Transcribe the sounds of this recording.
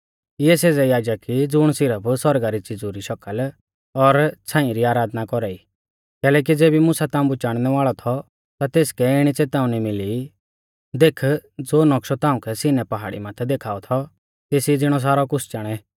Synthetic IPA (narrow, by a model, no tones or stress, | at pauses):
ɪɛseːd͡zɛjaːd͡ʒəkːid͡zʊɽ̃sɪɾəpʰsɔɾɡaɾit͡sɪd͡zuɾiʃɔkəl | ɔɾt͡sʰãːĩɾiaːɾaːd̪nakɔɾaːi | kɛːlɛːk̬id͡zeːbimʊsat̪ãːũmbut͡ʃaːɽ̃nɛʋaːɭɔt̪ʰɔ | t̪at̪eːskɛɪɽ̃it͡seːt̪ãːũnimɪli | d̪eːkʰd͡zoːnɔkʃɔt̪ãːʊ̃kʰɛsɪnɛpɐɦa̰ːɽḭmãːt̪ʰɛd̪eːkʰaːɔt̪ʰɔ | t̪eːsid͡zɪɽ̃ɔs̬aːɾɔkʊsʰt͡ʃaːɽ̃ɛ